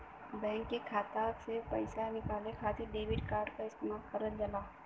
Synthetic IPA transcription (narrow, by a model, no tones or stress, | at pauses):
bɛ̃ːŋkːekʰaːt̪asɪepɐɪsanɪkaːlekʰaːt̪ʰeɖeːʋɪɖkaːɾɖkaɪst̪eːmaːlkɐɾəld͡ʒalaː